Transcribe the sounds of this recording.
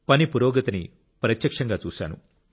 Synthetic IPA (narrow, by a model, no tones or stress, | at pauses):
pɐnipuɾɔːɡɐt̪ɐni | pɾɐt̪jɐkʂɐŋɡaːt͡ʃuːsa̰ːnṵ